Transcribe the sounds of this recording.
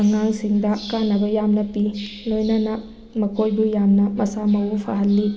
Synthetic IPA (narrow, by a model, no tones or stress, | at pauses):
ɐŋaŋsiŋdɐkanːɐbɐjamnɐpilojnɐnɐ | mɐkojbujamnɐmɐsamɐwupʰa̰ɦɐlːi